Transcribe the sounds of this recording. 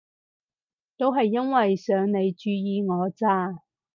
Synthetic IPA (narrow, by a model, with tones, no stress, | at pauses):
t̪o˥wɦɐ˨jːɐ˥nwɐ˨jsœː˨˧ŋne˨˧jt͡ʃyː˧jiː˨˧ŋɔː˨˧t͡saː˥